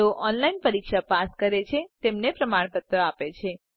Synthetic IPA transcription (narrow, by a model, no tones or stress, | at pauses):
oʔɔnlainpəɾikʃapaskəɾet͡ʃʰet̪emnepɾəmaɳ̃pət̪ːəapet͡ʃʰe